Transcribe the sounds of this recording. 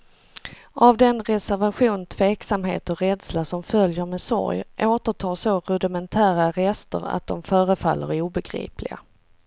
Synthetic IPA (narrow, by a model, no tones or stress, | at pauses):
ʔavd̪ɛnɾɛsæɾvaɧuːnt̪ʰv̥eːksamɦḛːt̪ɔɾɛd̪slaʂɔmfœljəɾmɛːsɔ̰ɾjʔoːt̪əʈʰɑːsoɾɵd̪ɪmɛnt̪ʰæːɾaɾɛst̪ə̰ɾa̰t̪̚d̪ɔmfœːɾəfa̰lːə̰ɾuːbɛɡɾḭːplɪ̰ɡa̰